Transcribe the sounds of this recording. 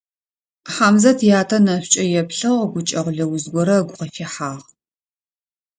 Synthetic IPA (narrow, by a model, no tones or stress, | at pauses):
ħaːmzɐtʰjaːtʰɐnɐɕt͡ʃʼɐjɛpɬɨʁɡʷʊt͡ʃʼɐʁʷʊɮɐwʊzɡʷɔɾɐɡʷʊqɐfeħaːʁ